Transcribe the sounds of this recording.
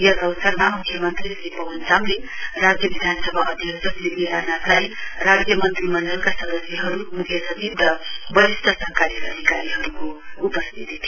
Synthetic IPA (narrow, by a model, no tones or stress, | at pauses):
jʌkʌwsʌrmamukʰːjʌmʌnt̪risipʌwʌnsamlerad͡zjʌbid̪ʱansʌbʱaʔʌd̪ʱjʌksʌsibiɾanaklajrad͡zjʌmʌnt̪rimʌɳɖʌlkasʌd̪ʌsjʌɦʌɾumukʰjʌsʌt͡sibd̪ʌbʌɾist̪ʰʌsʌkaɾjʌʌd̪ʱikaɾiɦʌɾukoupʌst̪ʰit̪it̪ʰ